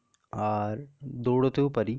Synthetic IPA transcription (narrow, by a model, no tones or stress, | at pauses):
aːɾd̪uːɽɐt̪ːupɐɾi